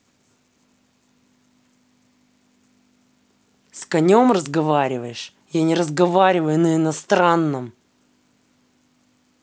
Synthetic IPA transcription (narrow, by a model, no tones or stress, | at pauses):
skɐnʲomrəzɡɐvaɾʲɪvəjɪʂ | janʲɪɾəzɡɐvaɾʲɪvəjʊnəɪnɐst̪ɾanːəm